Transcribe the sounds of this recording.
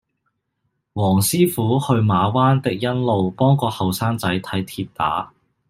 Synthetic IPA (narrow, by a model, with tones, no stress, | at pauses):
wɔː˨˩ŋsiː˥fuː˨˥hɵ˧ɥmaː˨˧waː˥nt̪ɪ˨k̚jɐ˥nlo˨wpɔː˥ŋkɔː˧hɐ˨wsaː˥ŋt͡sɐ˨˥jt̪ʰɐ˨˥jt̪ʰiː˧p̚t̪a̰ː˨˥